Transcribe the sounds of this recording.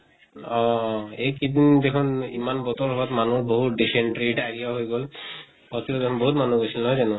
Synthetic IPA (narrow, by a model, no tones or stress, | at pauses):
ɔejkid̪ind̪ekʰunimanbɔt̪ɔɔbat̪manuboɦut̪ɖiseɳʈɾeʈaɹijaɦojɡɔl | pɔt̪iɾɔd̪ekʰunboɦut̪manuɡosʰilnɦɔjzanu